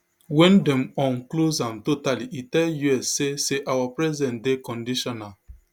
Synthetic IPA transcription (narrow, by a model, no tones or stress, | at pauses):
wɛ̃ndɛ̃mɔ̃nklozãmtotaliʔitɛljuɛseseʔawapɹɛzɛ̃ntdekɔ̃ndiʃɔnal